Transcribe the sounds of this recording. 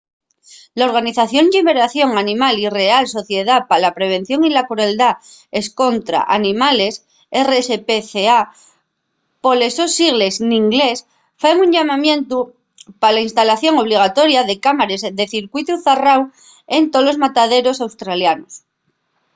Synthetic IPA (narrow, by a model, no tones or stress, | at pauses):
lao̞ɾɣ̞aniθaθjo̞nʝiβe̞ɾaθjo̞ŋanĩmalire̞also̞θje̞ð̞apalapɾe̞β̞e̞n̟θjo̞ŋilakɾue̞ld̪ae̞sko̞nt̪ɾa̰ʔanĩmale̞s | eresepeθea | po̞le̞so̞siɣle̞znĩŋɡle̞s | faeŋuɲʎamamjẽ̞nt̪u | palainst̪alaθjo̞ŋo̞β̞liɣ̞at̪o̞ɾjaðe̞kamaɾe̞zðe̞θiɾkwit̪uθaraw | ent̪olo̞zmat̪aðe̞ɾo̞sawst̪ɾaljanos